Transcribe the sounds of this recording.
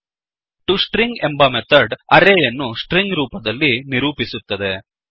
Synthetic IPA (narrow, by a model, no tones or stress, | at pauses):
ʈusʈɾiŋɡembɐmet̪ʰɐɾɖɐɾeːjɐnːusʈɾiŋɡɾuːpɐd̪ɐlːiniɾuːpisut̪ːɐd̪e̞